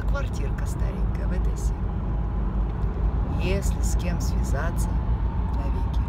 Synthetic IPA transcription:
kvɐrtʲirkəst̪a̰ɾʲḭŋʲkəjəvɛt̪əjsʲe | jesʲlʲɪsʲkʲemsʲvʲɪzat̪sːət̪ovʲikʲɪ

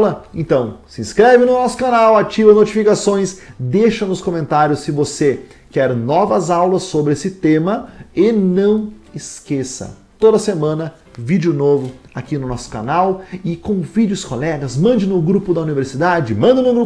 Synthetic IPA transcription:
lɐẽnt̪ɐ̃w̃sɪẽskɾɛvɪnʊnɔsʊ̥kanawat͡ʃivɐnot͡ʃifikasõj̃sd̪eʃɐnʊskomẽnt̪aɾjʊsːɪvose | kɛɾnɔvɐzawlɐsːobɾɪesɪt̪ẽmɐɪnɐ̃w̃ɪskesɐ̰ | t̪od̪ɐsemɐ̃nɐ | vid͡ʒʊnovʊ | akinʊnɔsʊ̥ka̰nawɪkõvid͡ʒɪʊskolɛɡɐzmɐ̃nd͡ʒɪnʊɡɾupʊd̪ɐuniveɾsid̪ad͡ʒɪmɐ̃nd̪ɐnʊɡɾu

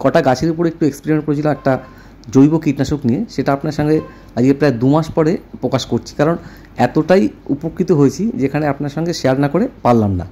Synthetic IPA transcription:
kɔʈaɡat͡ɕʰeɾupoɾek̚ʈuekspeɾimeɳʈ̚koɾet͡ɕʰilomɛk̚ʈa | d͡ʑojbokiʈnaʃoknijeʃeʈaapnaɾʃɔŋɡe | ad͡ʑiepɾaed̪umaʃpɔɾepɾokaʃkoɾt͡ɕʰi̥kaɾon | ɛt̪oʈajupokʰːit̪oɦoet͡ɕʰid͡ʑekʰaneapnaɾʃɔŋɡeʃeaɾnakoɾepalːamna̰

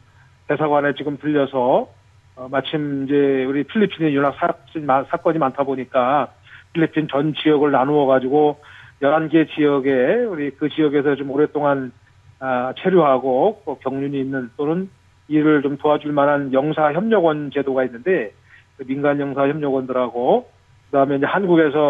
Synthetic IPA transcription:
te̞sʰaɡwanet͡ɕiɡɯmtɯʎːʌsʰʌ | mat͡ɕʰimind͡ʑe̞uɾipʰiʎːipʰinejunɦak̚sʰas͈imasʰak͈ʌɲimantʰaboɲik͈a | pʰiʎːipʰint͡ɕʌnt͡ɕijʌɡɯɭnanoʌɡad͡ʑiɡojʌɾanɡe̞t͡ɕijʌɡe̞uɾikɯt͡ɕijʌɡe̞s̬ʰʌt͡ɕomoɾe̞t͈oŋan | ʌt͡ɕʰe̞ɾjoɦaɡotokjʌŋɲuɲiːnːɯnt͈onɯn | iɾɯɭt͡ɕomtoɦad͡ʑuɭmanɦanjʌŋsʰaçjʌmɲʌɡʌnt͡ɕe̞doɡainːɯnde̞ | kɯminɡanjʌŋsʰaçjʌmɲʌɡwʌndɯɾɦaɡo | kɯdaɦmjʌniɲd͡ʑe̞hanɡuɡe̞sʰʌ

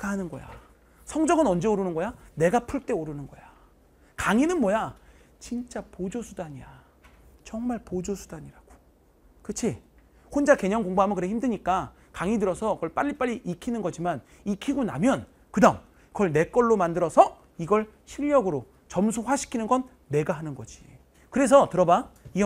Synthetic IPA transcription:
k͈ʰaɦanɯnɡʌ̰ja̰ | sʰʌŋd͡ʑʌɡɯnʌnd͡ʑe̞oɾɯnɯnɡʌjane̞ɡapʰuɭt͈e̞oɾɯnɯnɡʌ̰ja | kaŋinɯnmwʌja | t͡ɕint͡ɕ͈apod͡ʑosʰudaɲija | t͡ɕʌŋmaɭpod͡ʑosʰudaɲiɾaɡ̥o̥ | kɯt͡ɕʰi | hond͡ʑake̞ɲʌŋkoŋboɦamɯkɯɾeçimdɯɲik͈a | kaŋidɯɾʌsʰʌkɡʌɭp͈aʎːip͈aʎːiʔikʰinɯnɡʌd͡ʑiman | ikʰiɡona̰mjʌn | kɯdaŋ | kʌɭne̞k͈ʌɭːomandɯɾʌsʰʌ | iɡʌɭ | ɕʰiʎːʌɡɯɾo | t͡ɕʌmsʰuɸwaɕʰi̥kʰinɯnɡʌnːe̞ɡaɦanɯnɡʌd͡ʑi̥ | kɯɾe̞s̬ʰʌtɯɾʌbai

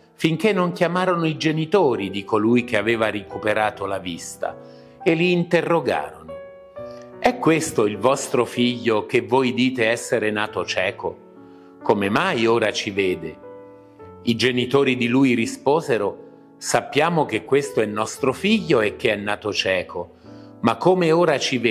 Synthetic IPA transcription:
fiŋk̟enːoŋk̟jamaːɾonoid͡ʒenit̪oːɾid̪ikolujk̟eaveːvaɾikupeɾaːt̪olavist̪a̰ | eliːnt̪erːoɡa̰ːɾono | ɛkːwest̪oilvɔst̪ɾofiʎːok̟evːojd̪iːt̪eɛsːeɾenaːt̪ot͡ʃɛːko | komemajoːɾat͡ʃiveːd̪e | id͡ʒenit̪oːɾid̪iluːjɾispoːzeɾo | sapːjaːmok̟ekːwest̪oɛnːɔst̪ɾofiʎːoek̟ːeɛnːaːt̪ot͡ʃɛːkʰo | makːomeoːɾat͡ʃive

